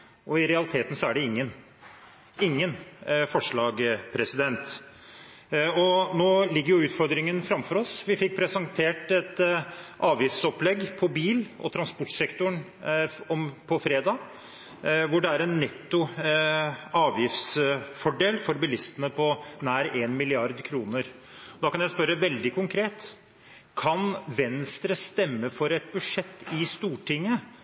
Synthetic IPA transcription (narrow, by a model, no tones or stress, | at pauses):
ʔɔɪɾɛɑlɪt̪ʰeːt̪n̩sɔæɖɛɪŋːən | ɪŋːənfɔʂɭɑːɡpʰɾɛsɪd̪ɛnt̪ | ɔnoːlɪɡːəɾjʊʉːt̪fɔɾd̪ɾɪŋənfɾɑmfɔɾɔsʋɪfɪk̚ːpʰɾɛsɑnt̪ʰeːʈɛt̪ʔɑːʋjɪft̪sɔplɛɡpʰɔbiːlɔ̰t̪ʰɾɑnspɔʈːsɛkt̪ʊɳ | ɔmpʰɔfɾeːd̪ɑː | ʋʊɖɛæɾɛnːɛt̪ːʊ | ɑːʋjɪft̪sfɔɖeːlfɔɾbɪlɪst̪ənəpʰɔnæːɾeːnmɪlɪɑɾd̪kʰɾuːnəɾ | ɔd̪ɑːkɑnjæspœɾəʋɛld̪ɪkʰʊŋkʰɾeːt̪ | kʰɑnʋɛnst̪ɾəst̪ɛmːəfɔɾɛt̪̚bʉʂɛt̪ːɪst̪uːʈʰɪŋːə